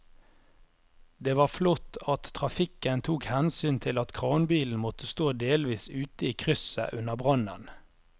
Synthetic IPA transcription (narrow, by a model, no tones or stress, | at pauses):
d̪eːʋɑːflɔt̪ːɑt̪tʰːʁɑfɪkənt̪ʰuːkhɛnsyːnt̪ʰɪlɑt̪kʰʁɑːnbiːln̩mɔt̪əst̪oːd̪eːlʋiːsʉːt̪əiːkʰʁʏsə̰ʔʉnəʁbʁɑnə̰n